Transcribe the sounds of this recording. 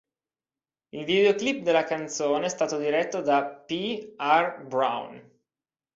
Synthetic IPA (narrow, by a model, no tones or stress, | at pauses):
ilvid̪eoklip̚ːd̪elːakant̪soːneɛst̪aːt̪od̪iɾɛt̪ːod̪apiarbɾa̰wn